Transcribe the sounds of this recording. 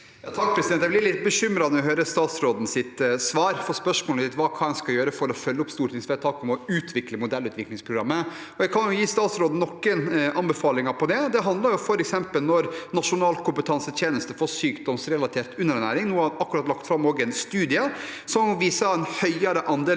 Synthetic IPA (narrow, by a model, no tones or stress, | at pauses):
jɑt̪ʰɑk̚pʰɾɛsɪd̪ɛnjæɛɡb̪ɪlɪt̪ːbəʂʏmɾɑnɔʋɔɦøːɾəst̪ɑːt̪sɾoːd̪n̩sɪt̪sʋɑːɾfɔɾspœʂmoːlsɪt̪ʋɑːkʰɑːɛnskɑjøːɾəfɔɾɔfœlːəʊpst̪uːʈʰɪŋsʋɛt̪ʰɑːkɔmɔʉːt̪ʰʋɪkləmʊd̪ɛlʉːt̪ʋɪklɪŋspʰɾʊɡɾɑmːə | ɔjɛkʰɑnjʊjiːst̪ɑːt̪sɾoːd̪n̩nɔkːənɑnbɛfɑːlɪŋɑpʰɔd̪ɛd̪ɛɦɑnd̪lɑɾjʊfɔɾɛksɛmpəlnɔɾnɑʂʊnɑːlkʰʊmpət̪ʰɑnsət̪ʰjeːnəst̪əfɔɾsyːkd̪ɔmsɾɛlɑt̪ʰeːɾt̪ʉnːəɾnæ̰ːɾɪŋnuːɑɑkːʉɾɑt̪lɑkt̪fɾɑmoːɡəɛnst̪ʉːd̪ɪəsɔmʋiːsɑɛnhœʏɑɾəʔɑnd̪eː